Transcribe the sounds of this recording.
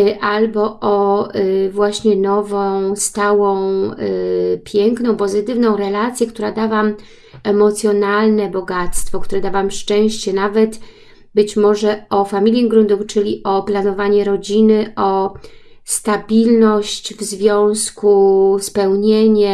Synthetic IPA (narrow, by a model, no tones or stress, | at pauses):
ʔalbɔʔɔ | vwaɕɲɛnɔvɔ̃w̃st̪awɔ̃w̃ | pʲjɛŋknɔ̃w̃pɔzɘt̪ɘvnɔ̃w̃ɾɛlat̪sʲjɛkt̪uɾad̪avam | ɛmɔt̪sʲjɔnalnɛbɔɡat̪st̪fɔk̚t̪uɾɛd̪avamʂt͡ʂɛ̃w̃ɕt͡ɕɛnavɛt̪ | bɘt͡ɕmɔʐɛɔfamʲilʲjɛɡɾund̪uft͡ʂɘlʲiʔɔplanɔvaɲɛɾɔd͡ʑinɘʔɔ | st̪abʲilnɔɕt͡ɕvzvʲjɔ̃w̃skuspɛwɲeɲɛ